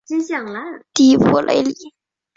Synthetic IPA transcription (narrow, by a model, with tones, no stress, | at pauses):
t͡ɕi˥nɕjɑ˨˩ŋla˧˥t̪i˧˩˥pʰɔ˥lʔḛ˧˥ɪli˨˩˦